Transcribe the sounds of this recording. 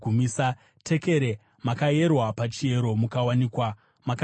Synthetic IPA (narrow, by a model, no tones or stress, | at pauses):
umisa | tʰe̞ke̞ɾe̞ | makaje̞rwapat͡ʃie̞ɾo̞mukawaniːkwa | mak